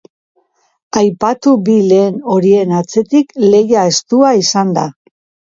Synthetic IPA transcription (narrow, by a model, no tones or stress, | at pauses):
ajpat̪ubile̞ːno̞ɾie̞nat͡se̞t̪ikle̞jae̞st̪uaisand̪a